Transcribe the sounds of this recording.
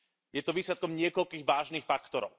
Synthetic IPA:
jɛt̪ɔʋiːslɛt̪̚kɔmɲɪɛkɔʎkiːɣʋaːʒniːxfakt̪ɔɾɔ̰ʊ

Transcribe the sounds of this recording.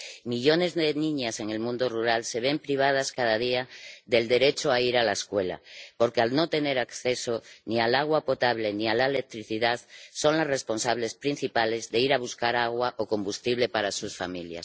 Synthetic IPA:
miʎo̞ne̞zðe̞nĩɲase̞ŋe̞lmũnd̪oruɾalse̞β̞e̞mpɾiβ̞að̞askaðað̞iaðe̞ld̪e̞ɾe̞t͡ʃoaiɾalaeskwe̞la̰po̞ɾke̞alno̞t̪e̞ne̞ɾakθe̞so̞nialaɣ̞wapo̞t̪aβ̞le̞nialaele̞k̚t̪ɾiθiðaðso̞ŋlasre̞spo̞nsaβ̞le̞spɾin̟θipale̞zðe̞iɾaβuskaɾaɣ̞waʔoko̞mbust̪iβle̞paɾasusfamilja̰s

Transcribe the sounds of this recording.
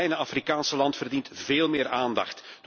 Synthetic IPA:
ɛjnəɑfrikaːnsəlɑntfərdintveːlˠmɪːraːndɑ̰xtd̥

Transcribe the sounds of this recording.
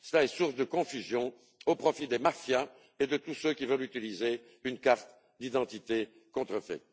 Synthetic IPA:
səlaɛsuʁsd̪əkɔ̃fyzjɔ̃ | opχɔfid̪emafja | ed̪ət̪usøkʲivœlyt̪ilize | ynkaʁt̪ | d̪id̪ɑ̃t̪it̪e | kɔ̃t̪χəfɛ̰

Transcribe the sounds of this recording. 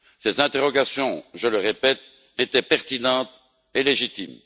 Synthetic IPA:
sezɛ̃t̪eʁɔɡasjɔ̃ʒələʁepɛt̪ | et̪ɛpɛʁt̪inɑ̃t̪ | eleʒit̪ḭm

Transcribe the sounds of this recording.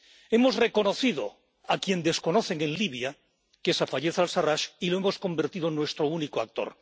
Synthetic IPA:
e̞mo̞zre̞ko̞no̞θiðo̞̰ | akje̞nd̪e̞sko̞no̞θe̞ŋẽ̞nliβ̞ja | kesafaʎe̞θalsaraʃiloe̞mo̞sko̞mbe̞ɾt̪iðonːwe̞st̪ɾounikoak̚t̪o̞̰ɾ

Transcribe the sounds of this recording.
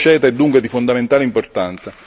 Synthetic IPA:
t͡ʃɛːt̪aɛd̪ːuŋkwed̪ifond̪ament̪aːleimport̪ant̪sa

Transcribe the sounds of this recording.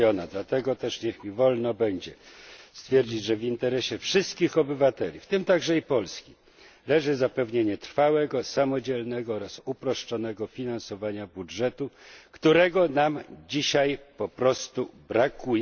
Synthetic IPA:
ɔnad̪lat̪ɛɡɔt̪ɛʂɲɛxmʲivɔlnɔbɛɲd͡ʑɛst̪fʲjɛɾd͡ʑid͡ʑʐɛvint̪ɛɾɛɕɛfʂɘst̪kʲixɔbɘvat̪ɛlʲḭft̪ɘmt̪aɡʐɛipɔlskʲi | lɛʐɘzapɛvɲeɲɛt̪ɾfawɛɡɔsamɔd͡ʑɛlnɛɡɔɔɾasupɾɔʂt͡ʂɔnɛɡɔfʲinansɔvaɲabudʐɛt̪ukt̪uɾɛɡɔnamd͡ʑiɕajpɔpɾɔst̪ubɾakuj

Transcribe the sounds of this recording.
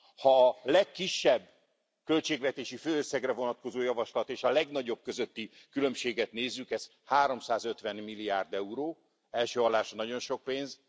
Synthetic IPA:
hɒːlɛkːiʃːɛbː | kø̞lt͡ʃeːɡlɛt̪eːʃiføːøsːɛɡrɛvo̞nɒt̪̚ko̞zoːjɒvɒʃlɒt̪eːʃɒlɛɡnɒɟo̞b̚køzøt̪ːi | kylø̞mʃeːɡɛt̪neːzːykɛz | haːɾo̞msaːzø̞t̪ʋɛnmilːiaːrd̪ɛuɾoː | ɛlʃøːɒlːaːʃɒnɒɟo̞nʃo̞k̚peːnz

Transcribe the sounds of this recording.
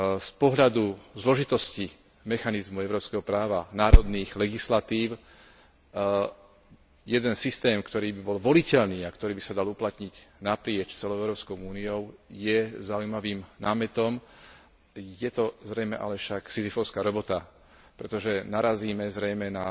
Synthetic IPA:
spɔɦʎad̪uzlɔʒit̪ɔsci | mɛxanizmuɛʊɾɔːpskɛɦɔpɾaːʋanaːɾɔd̪niːɣlɛɡislat̪iːʊ | jɛd̪ɛnsist̪ɛːmkt̪ɔɾiːbibɔlʋɔlicɛʎniːakt̪ɔɾiːbisad̪aluplat̪ɲiɟnapɾɪɛt͡ʃt͡sɛlɔʊɛʊɾɔːpskɔʊuːniɔʊjɛzaujmaʋiːmnaːmɛt̪ɔm | jɛt̪ɔzɾɛjmɛʔa̰lɛfʃaksizifɔʊskaːɾɔbɔt̪a | pɾɛt̪ɔʒɛnaɾaziːmɛzɾɛjmɛna

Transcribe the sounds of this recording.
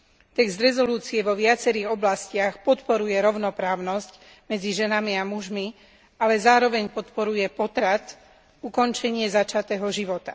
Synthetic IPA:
t̪ɛɡzd̪ɾɛzɔluːt͡siɛʋɔʋɪat͡sɛɾiːɣɔblascɪaxpɔt̪pɔɾujɛɾɔʊnɔpɾaːʊnɔsc | mɛd͡ziʒɛnamiamuʒmi | alɛzaːɾɔʋɛɲpɔt̪pɔɾujɛpɔt̪ɾat̪ | ukɔnt͡ʃɛɲɪɛzat͡ʃat̪ɛːɦɔʒiʋɔt̪ḁ

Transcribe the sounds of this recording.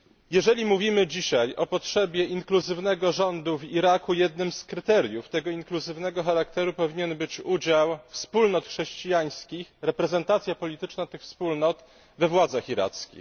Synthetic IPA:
jɛʐɛlʲimuvʲimɘd͡ʑiɕajʔɔpɔtʂɛbʲjɛʔiŋkluzɘvnɛɡɔʐɔnd̪uviɾakujɛd̪nɘmskɾɘt̪ɛɾʲjuft̪ɛɡɔiŋkluzɘvnɛɡɔxaɾakt̪ɛɾupɔvʲiɲɛnbɘt͡ɕud͡ʑawfspulnɔt̪xʂɛɕt͡ɕijaj̃skʲixɾɛpɾɛzɛnt̪at̪sʲjapɔlʲit̪ɘt͡ʂnat̪ɘxfspulnɔt̪ | vɛvwad̪zaxiɾa̰t̪skʲḭx

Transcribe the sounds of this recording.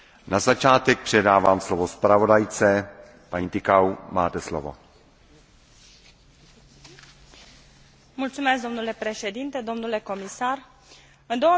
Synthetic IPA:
nazat͡ʃaːt̪ɛk̚pr̝̥ɛdaːvaːmslovospɾavo̞dajt͡sɛ | paɲiːt̪ɪkawmaːt̪ɛslo̰vo̰ | mult̪sumesk̚d̪o̞mnule̞pɾe̞ʃe̞d̪int̪ed̪o̞mnule̞ko̞misar | ɨnd̪o̞wə

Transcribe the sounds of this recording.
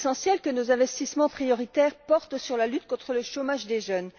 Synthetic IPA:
sɑ̃sjɛlkənozɛ̃vɛst̪ismɑ̃pχijɔʁit̪ɛʁpɔʁt̪syʁlalyt̪kɔ̃t̪χələʃomaʒd̪eʒœn

